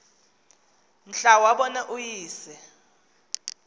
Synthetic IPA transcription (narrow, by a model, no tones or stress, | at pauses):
m̩ɬawaɓɔnɛʔujiːsɛ